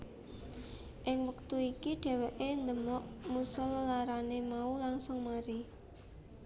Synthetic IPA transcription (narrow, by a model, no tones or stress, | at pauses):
ʔɪŋwək̚t̪uikiɖ̥e̤wɛʔend̪əmɔʔmusʊlːaɾanemaulaŋsʊŋmaɾi